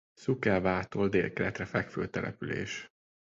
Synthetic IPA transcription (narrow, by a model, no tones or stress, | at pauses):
sukɛvaːt̪old̪eːlkɛlɛt̪rɛfɛkføːt̪ɛlʔɛ̰pylḛːʃ